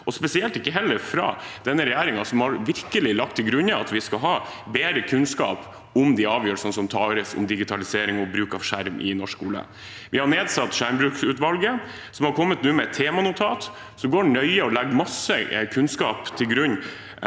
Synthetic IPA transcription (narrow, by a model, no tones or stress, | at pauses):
ɔspɛsɪɛlt̪ɪkːəɦɛlːəɾfɾɑ̰ːd̪̥ɛnːəɾɛjæːɾɪŋɑsɔmhɑɾʋɪɾkəlɪlɑk̚t̪ʰːɪlɡɾʉɲːəɑt̪ʋɪskɑlɦɑː | beːɾəkʰʉnskɑ̰ːp | ɔmd̪ɛɑːʋjøːsɔnsɔmt̪ʰɑːɾəsɔ̰md̪ɪɡɪt̪ʰɑlɪseːɾɪŋɔbɾʉːkɑʋʂæɾmʔɪ̰nɔʂkkuːlə̰ | ʋɪhɑɳeːd̪sɑt̪ːʂæɾmbɾʉːksʉːt̪ʋɑlɡə | sɔmhɑɾkʰɔmːət̪nʉːmɛt̪ʰːeːmɑnʊt̪ʰɑːt̪ | sɔɡoːɖnœʏəɔlæɡmɑsːəkʰʉnskɑːpt̪ʰɪlɡɾʉɲː